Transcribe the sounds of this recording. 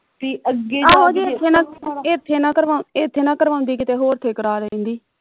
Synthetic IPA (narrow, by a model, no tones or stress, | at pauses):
t̪iːʔəɡeɦaːoːd͡ʒiːɪt̪ʰːeːnãːet̪ʰːeːnãːkəɾʋaːet̪ʰːeːnãːkəɾʋaːʊ̃nd̪iːkɪt̪eːɦoːɾt̪ʰeːkəɾaːɾeẽːnd̪iː